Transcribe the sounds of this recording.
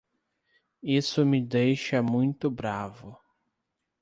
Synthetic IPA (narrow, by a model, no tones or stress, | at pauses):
isʊmɪd̪ejʃɐmũj̃t̪ʊbɾavʊ